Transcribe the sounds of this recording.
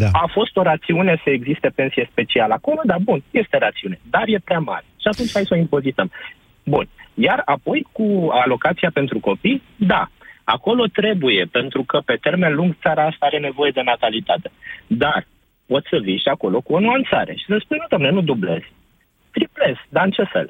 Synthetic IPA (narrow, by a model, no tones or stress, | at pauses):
aafo̞st̪o̞ɾat̪siune̞səeɡzist̪e̞pe̞nsije̞spe̞t͡ʃialəako̞lo̞d̪abunje̞st̪e̞ɾat̪siune̞d̪arje̞pɾeama̰ɾeʃiat̪unt͡ʃʲhajsoimpo̞zit̪əm | bunjarapo̞jkualo̞kat̪siape̞nt̪ɾuko̞pij | d̪a̰a̰ko̞lo̞t̪ɾe̞buje̞pe̞nt̪ɾukəpe̞t̪e̞rmenluŋɡt̪saɾaast̪aaɾe̞ne̞vo̞je̞d̪e̞nat̪alit̪at̪e̞̥d̪ar | po̞t̪sʲsəviʃiako̞lo̞kuo̞nuant̪sa̰ɾe̞̰ʃi̥səspunnud̪omne̞nud̪uble̞̰z̥ | t̪ɾiple̞z̥d̪aɨnt͡ʃe̞fe̞̰l